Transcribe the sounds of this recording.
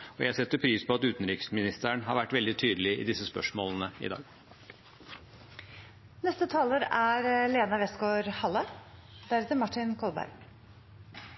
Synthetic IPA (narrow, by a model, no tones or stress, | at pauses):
ɔjæɪɑsɛt̪ːəɾpʰɾiːspʰɔɑt̪ʉːt̪n̩ɾɪksmɪnɪst̪əɳɦɑɾʋæʈːʋɛld̪ɪt̪ʰyːd̪əlɪɪ̰d̪ɪsəspœ̰ʂmo̰ːlənəɪ̰d̪ɑ̰ːɡ | nɛst̪ət̪ʰɑːləɾæɾleːnɑʋɛsɡoːɾhɑlːə | d̪æɾɛːt̪əɾmɑʈɪnkʰɔlbæ̰ɾ